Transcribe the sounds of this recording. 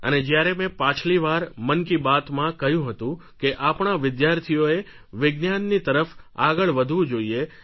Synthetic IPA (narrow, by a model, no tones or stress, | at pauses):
ə̰ned͡ʒjaɾemɛ̃pãt͡ʃʰliʋaɾmənkibat̪mãkəjũɦət̪ũkeʔapɳ̃aʋɪd̪jaɾt̪ʰijoe | ʋɪɡnjanːit̪əɾəfaɡəɭʋəd̪ʱʋũd͡ʒoie